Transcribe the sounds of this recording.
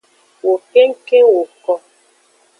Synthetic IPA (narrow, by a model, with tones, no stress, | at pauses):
wo˨ke˦ŋ̩˦ke˦wo˨kɔ˦